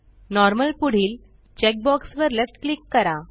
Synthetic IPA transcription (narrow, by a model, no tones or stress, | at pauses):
nɔɾməlpuɽ̤iːl | t͡ɕɛk̚bɔksʋəɾlefʈklikːəɾa